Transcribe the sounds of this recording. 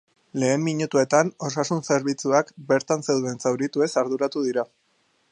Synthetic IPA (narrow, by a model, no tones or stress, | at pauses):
le̞ːmːiɲut̪ue̞t̪ano̞sasunse̞ɾβit͡suakbe̞ɾt̪anseðue̞nt͡sawɾit̪ue̞saɾðuɾat̪uð̞iɾa